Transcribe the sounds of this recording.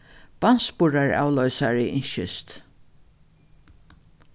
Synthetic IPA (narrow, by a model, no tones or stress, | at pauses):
b̥anspʊɹaɹa̰ːwlœʏsaɹɪʔɪɲʃɪst̪